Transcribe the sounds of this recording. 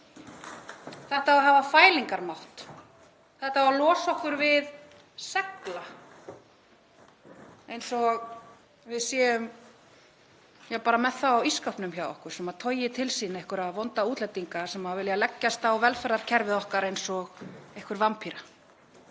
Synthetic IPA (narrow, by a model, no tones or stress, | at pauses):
θɛht̪avaɦaːvafaːjliŋkaɾmawht̪ | θɛht̪avalɔːsɔhkʏɾvɪð | sɛkla | ejnsɔɣ | vɪðsjɛːʏm | jɛpaːɾamɛθawawiskawhpnʏmçaːwɔ̰hkʏɾ̥sɛmaðt̪ʰɔːɥjɪt̪ʰɪlsiːnejhkʏɾaðvɔnt̪auːt̪lɛjt̪iŋkasɛmavɪljalɛcːast̪aɔvɛlfɛɾðaɾ̥cʰɛɾvɪðɔhkaɾejnsɔɣehkʏɾvampʰiɾa